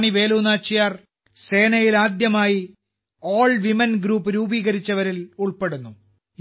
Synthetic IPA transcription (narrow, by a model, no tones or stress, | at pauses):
ɳiʋe̞ːluːnaːt͡ɕːijaːr | se̞ːnɐjilaːd̪jɐmaːji | o̞ːɭʋimɐnɡɾuːpːɨɾuːbiːɣɐɾit͡ɕːɐʋɐɾiluɭpe̞ɽunːu